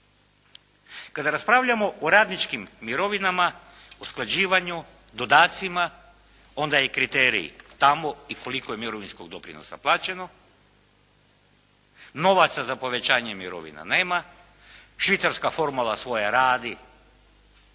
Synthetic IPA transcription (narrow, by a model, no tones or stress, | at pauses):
kad̪aɾaspɾaʋʎamo̞ʔoɾaːd̪nit͡ʃkimːiɾo̞ʋinama | usklˠad͡ʑiːʋaɲu | d̪o̞d̪aːt̪sima | o̞nd̪ajekɾit̪eːɾḭḭt̪amo̞iko̞likoje̞miɾo̞ʋinsko̞ɡd̪o̞pɾḭno̰sa̰plˠaːt͡ɕe̞no̞ | no̞ʋat̪sazapo̞ʋe̞t͡ɕaːɲemiɾo̞̰ʋḭna̰ne̞ːma | ʃʋit̪saɾskafo̞ɾmulˠasʋo̞jaɾaːd̪i